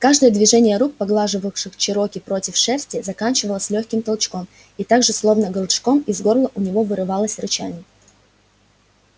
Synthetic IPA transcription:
kaʐd̪əjəd̪vʲɪʐɛnʲɪjəɾuk̚pɐɡlˠaʐɨvəfʂɨxt͡ɕɪɾo̞kʲɪpɾo̞tʲɪfʂɛsʲtʲɪzɐkanʲt͡ɕɪvəlˠəsʲlʲoxʲkʲɪmt̪ɐlˠt͡ɕko̞m | it̪aɡʐɨslˠo̞vnəɡəlˠt͡ʃkomizɡo̞rlˠəʔʊnʲɪvo̞vɨɾɨvalˠəsʲrʊt͡ɕanʲɪ

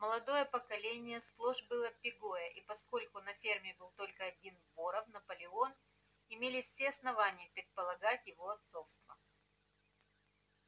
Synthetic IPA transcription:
məlˠɐd̪o̞jəpəkɐlʲenʲɪjəsplˠoʐbɨlˠəpʲɪɡo̞jəʔipɐsko̞lʲkʊnɐfʲermʲɪbɨlˠt̪o̞lʲkəɐdʲinboɾəfnɐpəlʲɪon | ɪmʲelʲɪsʲeɐsnɐvanʲɪjəpɾʲɪt̪̚pəlˠɐɡatʲjɪvo̞ɐt̪so̞fst̪və

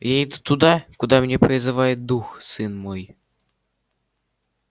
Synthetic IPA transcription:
jaid̪u̥t̪ud̪akud̪amnʲepɾʲɪzɨvajɪt̪̚d̪uxsɨnmoj

